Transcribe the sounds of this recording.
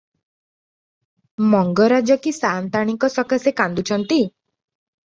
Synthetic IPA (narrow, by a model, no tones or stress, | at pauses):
mɔŋɡɔɾad͡ʒɔkisaːnt̪aɽ̃iŋkɔsɔkasekand̪ut͡ʃʰɔnt̪i